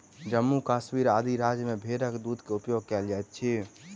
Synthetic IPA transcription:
d͡ʒəmːukaːsmiɾaːd̪ʱiɾad͡ʒəmẽbʱeɾəkd̪ud̪keupjoɡ̚kɛld͡ʒajt̪̚t͡ʃʰi

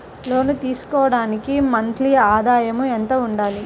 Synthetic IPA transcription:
lo̞ːnut̪iːsu̥kɔːʋɐɽaːnikimɐnt̪lijɐaːd̪aːjɐmuent̪ɐːuɳɖaːli

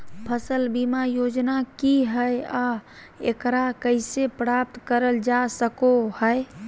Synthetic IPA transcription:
pʰəsəlbimajod͡ʒnakiɦəja | ekɾakəɪsepɾap̚t̪kəɾəld͡ʒasəkohəe

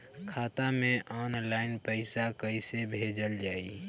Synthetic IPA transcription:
kʰaːt̪amẽʔɔːnlaːɪnpəɪsakəisebʱeːd͡ʒəld͡ʒaːḭ

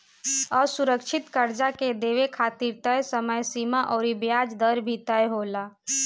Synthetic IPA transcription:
ɔːɾsuɾəkʃʰɪt̪kəɾd͡ʒaked̪eːʋekʰaːt̪iɾt̪əjsəməjsimaʔɔːɾibjaːd͡ʒd̪əɾbʱit̪əjɦoːla

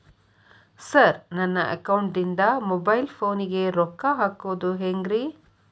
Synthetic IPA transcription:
sɐɾnɐnːɐʔɐ̰kɐwuɳʈd̪ind̪ɐmɔbɐjlpʰoːniɡeɾɔkːaɦaːkoːd̪uɦeːŋɡɾi

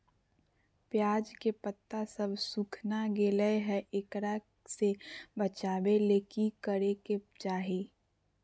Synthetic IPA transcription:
pjaːd͡ʒkepət̪ːasəbsukʰnaɡeːləeɦɛʔɪkɾa | sebət͡ʃaːbeleːkikəɾeket͡ʃaːɦeː

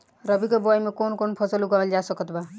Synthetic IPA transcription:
ɾʌbikɔbɔjmekonkonpʰɔsɔluɡɔld͡ʒasɔkɔt̪ba

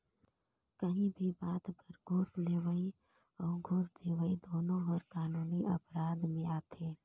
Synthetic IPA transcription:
kəɦĩbʱibaːt̪pɐɾɡʱoːsleːʋəi | ɔːɾɡʱoːsd̪eːʋəid̪oːnõɦɔːɾkaːnuːniʔɐpɾaːd̪mẽaːt̪ʰeː

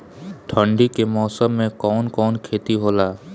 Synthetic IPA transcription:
ʈʰə̃ɳɖikemɔːsəmːẽkɔːnkɔːnkʰeːt̪iɦoːlaː

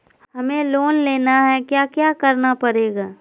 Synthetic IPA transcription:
ɦɐmẽloːnleːnaɦɛkjaːkjaːkɐɾnapɐɾeːɡaː

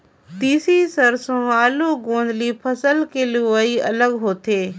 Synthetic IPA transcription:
t̪iːsisəɾsõaːluɡõːnd̪liːpʰəsəlkeluəiɐ̰ləɡɦoːt̪eː

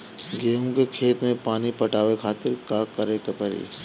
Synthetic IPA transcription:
ɡeːõkekʰeːt̪mẽpaːnipɐʈaːʋekʰaːt̪ɪɾkakɐɾekepəɾḭː

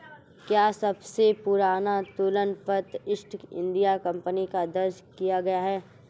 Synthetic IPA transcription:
kjaːsɐbsepʊɾaːnat̪ʊlənpɐt̪ɪʃʈʰɪ̰̃nd̪ijakɐ̃mpənikad̪ɐɾd͡ʒkijaɡɐjaɦɛː

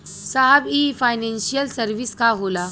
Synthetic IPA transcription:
saɦbifajnẽnɕijəlsəɾʋiːskaɦola

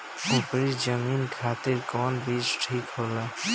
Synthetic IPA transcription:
ʊpɾid͡ʒəmiːnkʰaːt̪ɪɾkɔːnbiːt͡ʃʈʰiːkɦoːlaː

